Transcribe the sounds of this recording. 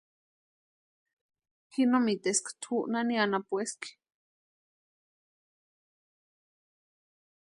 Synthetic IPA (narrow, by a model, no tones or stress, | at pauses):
hinomit̪eskt̪ʰuʔnanianapueski̥